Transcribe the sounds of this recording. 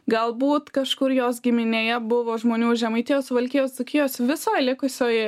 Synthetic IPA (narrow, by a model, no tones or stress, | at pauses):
ɡɐlˠbuːt̪kɐʃkʊɾjoːs̬ɡʲɪmʲɪnʲeːjɛbʊʋoːʒmoːnʲuːʒʲɛmɐɪt̪ʲɪjoːsʋɐlʲkʲɪjoːsʲt̪ʊkʲɪjoːsʲʋʲɪsoːjlʲɪkʊsʲoːj